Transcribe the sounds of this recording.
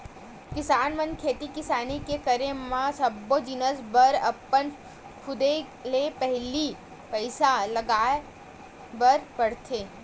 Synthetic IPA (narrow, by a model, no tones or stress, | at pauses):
kɪsaːnmə̃nkʰeːt̪ikɪsaːnikekəɾemãsɐbːod͡ʒɪnəsbəɾɐ̰pːən | kʰʊd̪e | lepɛɦli | pɐɪsalɐɡaːe | bəɾpɐɽt̪ʰeː